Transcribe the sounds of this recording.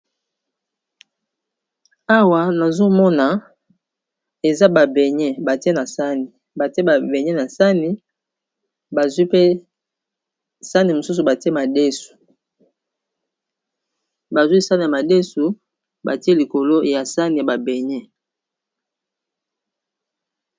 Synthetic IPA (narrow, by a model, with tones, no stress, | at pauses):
a˦wa˨na˨zo˦mɔ˦na˨ | e˨za˦ba˨bɛ˨ɲɛ˦ba˨ti˦e˦na˨sa˦ni˨ | ba˨te˦ba˨be˨ɲɛ˦na˨sa˦ni˨ | ba˨zwi˦pe˦ | sa˦ni˨mo˨su˦s̬u˨ba˨ti˦e˦ma˨de˦su̥˨ | ba˨zwi˦sa˦ni˨ja˨ma˨de˦su˨ | ba̰˨ti˦e˦li˨ko˨lo˦ja˨sa˦ni˨ja˨ba˨bɛ˨ɲɛ˦